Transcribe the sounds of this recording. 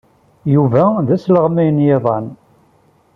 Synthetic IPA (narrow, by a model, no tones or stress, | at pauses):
juvæðæsləʁmijənjeðˤɑ̰n